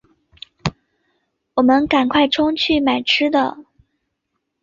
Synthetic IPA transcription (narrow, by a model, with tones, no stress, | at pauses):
wɔ˨˩mə˦nka˨˩nkʰwa˥˩ɪʈ͡ʂʰʊ˥ŋt͡ɕʰy˥˩ma˨˩ɪʈ͡ʂʰɻ̩˥d̪ə˨